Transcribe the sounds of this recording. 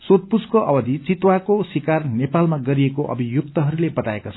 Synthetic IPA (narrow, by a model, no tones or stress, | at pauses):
sot̪̚puskoʔʌbʌd̪ʱit͡sit̪wakosikarnepalmaɡʌɾiekoʔʌ̰bʱijuk̚t̪ʌɦʌɾulebʌt̪aekat͡sʰʌ